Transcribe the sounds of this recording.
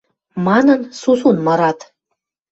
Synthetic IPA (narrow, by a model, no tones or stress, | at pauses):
mɑnɤ̆nsusunmɤ̆ɾɑt̪